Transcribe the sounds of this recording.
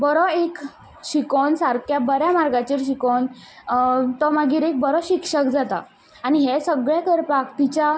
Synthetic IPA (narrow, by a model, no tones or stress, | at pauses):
bəɾɔek | ɕikonsaɾkjabəɾjamaɾɡat͡ɕiːɾɕ̬ikon | t̪ɔmaɡiːɾek̚bəɾɔɕikʂəkd͡zat̪a̰ː | ɽ̃iɦesəɡɭjakəɾpakt̪it͡ɕa